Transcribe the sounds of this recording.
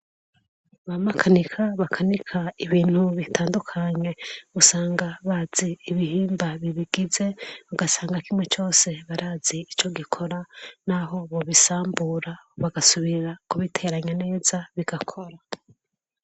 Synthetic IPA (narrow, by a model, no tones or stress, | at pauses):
βamakʰanikʰaβakʰanikʰaiβiːn̥huβitʰaːndukʰaɲe̞usaːŋɡaβaz̥iːβihiːmbaβiβiɡ̥ize̞βaɡasaːŋɡakimwe̞t͡ʃo̞ːse̞βaɾaːz̥iit͡ʃo̞ɡikʰo̞ɾanaɦo̞βo̞βisaːmbuɾaβaɡasuβiɾakuβitʰe̞ɾaɲane̞ːzaβiɡ̥akʰo̞ɾa